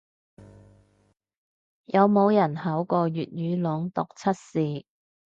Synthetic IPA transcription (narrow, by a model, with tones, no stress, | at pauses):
jɐ˨˧wmo˨˧wjɐ˨˩nhɐ˨˥wkɔː˧jyː˨t̚jyː˨˧lʊ˨˥ŋt̪ʊ˨˩k̚t͡sʰɐ˥t̚siː˨